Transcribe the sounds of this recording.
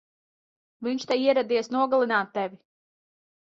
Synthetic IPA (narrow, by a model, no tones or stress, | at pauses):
viɲt͡ʃt̪ɛiɛɾɛd̪iɛsnuɔɡalˠinaːt̪ːɛvi